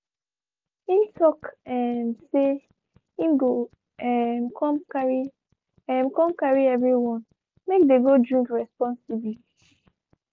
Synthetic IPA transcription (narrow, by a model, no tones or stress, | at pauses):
himtʰɔkɛnse | imɡo | ɛmkʰɔ̃mkaɹi | ɛ̃mkɔ̃mkaɹiɛvɹiwɔ̃n | mek̚deɡodɹĩŋkɹɛspɔ̃nsibli